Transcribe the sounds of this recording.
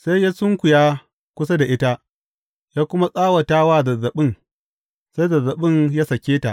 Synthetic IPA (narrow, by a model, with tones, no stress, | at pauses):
sa˦jja˦sʊ˦ŋkʷʊ˨jaː˦ | kʷʊ˦s̬a˦da˨ʔɪ˦ta˦ʔ | jaː˦kʷʊ˦ma˦sʼaː˦wa˨taː˦waː˦zɐ˨zɐ˨ɓɪ˦ŋ | sa˦jzɐ˨zɐ˨ɓɪ˦nja˦sɐ˨kʲeː˦ta˨ʔ